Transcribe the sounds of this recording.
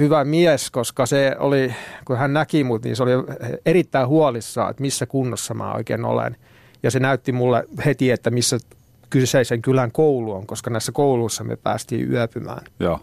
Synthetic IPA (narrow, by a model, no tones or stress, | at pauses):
hyʋæmiæskoskɑseo̰likuhænnækimut̪nḭːsolierit̪ːæihuɑlisːɑ̰ːḛt̪misːækunːosːɑmæ̰ːo̰ikḛːno̰lḛn | jɑsenæyt̪ːimulːḛhet̪iet̪ːæmisːæ | kyseiseŋkylæŋkouluoŋkoskɑnæisːækouluisːɑmḛpæ̰ːst̪ḭːy̰æpymæ̰ːnjo